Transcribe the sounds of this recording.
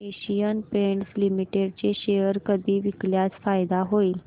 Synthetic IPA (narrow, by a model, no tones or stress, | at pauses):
eɕijənpeɳʈslimiʈeɖt͡ɕeɕejəɾkəd̪ʱiːʋikljat͡sfajd̪aɦoiːl